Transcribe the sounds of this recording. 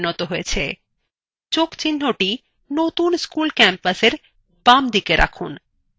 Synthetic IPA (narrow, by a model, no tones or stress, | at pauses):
nɔt̪oɦojet͡ɕʰḛ | t͡ɕokt͡ɕinːoʈi | not̪unskulkɛmpaseɾ | b̥amd̪ikeɾʔa̰kʰun